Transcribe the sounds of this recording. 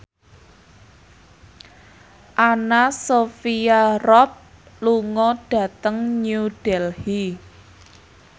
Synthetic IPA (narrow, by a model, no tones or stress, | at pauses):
ʔanasofiarɔp̚ | luŋɔɖ̥ä̤t̪əŋɲuɖ̥ɛlhi